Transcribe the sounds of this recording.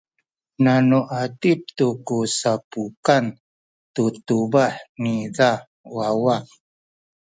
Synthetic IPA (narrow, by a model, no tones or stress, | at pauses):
nanuʔatip̚t̪ukusapukan | tutubaħniða | wawaq